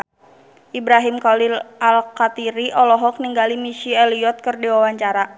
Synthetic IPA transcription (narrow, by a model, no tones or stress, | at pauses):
ʔibɾaɦimkalilʔalkat̪iɾiʔɔlɔɦɔk̚niŋɡalimiʃiɛliɔt̪̚kɨrdiwawaɲt͡ʃaɾa